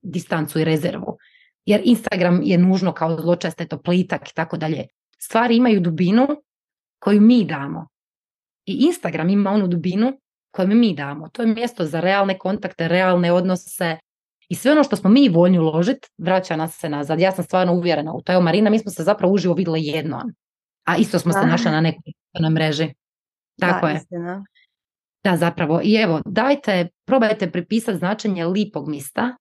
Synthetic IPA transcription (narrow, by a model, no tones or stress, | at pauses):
d̪ist̪ant̪suiɾe̞zḛɾʋṵ | jeɾinst̪aɡɾamjenuːʒno̞kaozlˠo̞t͡ʃest̪et̪oplit̪aki̥t̪ako̞d̪aʎḛ | st̪ʋaːɾiimajud̪ubinu | ko̞jumiːd̪aːmo̞̰ | iʔinst̪aɡɾamimao̞nud̪ubinu | ko̞jumimiːd̪aːmot̪ojemje̞st̪o̞zaɾealˠne̞ko̞nt̪akt̪eɾealˠne̞o̞d̪nosse̞ | isʋeo̞no̞ʃt̪osmomiːʋo̞ʎniulˠo̞ʒit̪ʋɾat͡ɕanasːenazaːd̪jaːsamst̪ʋaːɾnouʋjeɾenaṵt̪oeʋomaɾiːnamiːsmosezapɾaʋouʒiʋoʋid̪elijed̪no̰ːn | aʔist̪osmosenaʃlinane̞kojut̪enojmɾe̞ʒi | t̪akoje | d̪̥azapɾaʋo̞ʔie̞ʋo̞d̪aːjt̪e̞pɾo̞ːbajt̪epɾipiːsat̪znaːt͡ʃeɲeliːpo̞ɡmist̪a